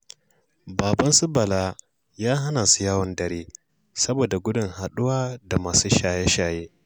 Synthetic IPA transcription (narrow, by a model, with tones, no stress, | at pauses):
baː˨bɐ˦nsʊ˦bɐ˨laː˦ | jaː˦ɦa˦naː˨su˦jaː˦wɐ˦ndɐ˨ɾeː˦ | sɐ˦boː˨da˨ɡʷʊ˦dʊ˨ŋha˨ɗʊ˦waː˦da˨maː˨suː˦ʃaː˨jɛ˦ʃaː˨jeː˦